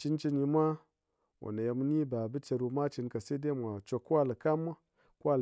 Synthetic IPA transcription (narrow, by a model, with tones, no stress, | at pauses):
t͡ʃi˦nt͡ʃi˧nji˧mʷa˦ | wo̰˨ne˨je˧m˧˦ni˦ba˨bɨ˦t͡ʃe˧ɾu˧mʷa˦t͡ʃi˧nka˨se˦de˦˨mʷ˨a˨t͡ʃo˧kːu˦wa˦lɨ˨ka˦mːa˦ | ku˦a˦˨l